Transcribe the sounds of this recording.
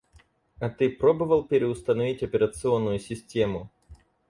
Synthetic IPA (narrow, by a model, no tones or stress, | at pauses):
ɐt̪ɨpɾobəvəlˠpʲɪɾʲɪʊst̪ənɐvʲitʲɐpʲɪɾət̪sɨo̞nːʊjʊsʲɪsʲtʲemʊ